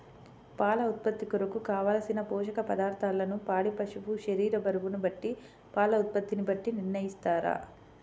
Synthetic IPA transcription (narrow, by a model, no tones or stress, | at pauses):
paːlɐut̪̚pɐt̪ːikuɾɐkukaːʋaːlɐsinɐpɔːʃɐkɐpɐd̪aːɾt̪ʰaːlːɐnupaːɽipɐʃupuʃɐɾiːɾɐbɐɾuɡunubɐʈːi | paːlɐut̪̚pɐt̪ːinibɐʈːiniɾnɐjist̪aːɾa̰